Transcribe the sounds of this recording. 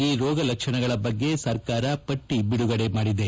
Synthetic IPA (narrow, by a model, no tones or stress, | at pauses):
iːɾɔːɡɐlɐkʂɐnɐɡɐɭɐbɐɡːe̞sɐɾkaːɾɐpɐʈːibiɽuɡɐɽe̞maːɽid̪e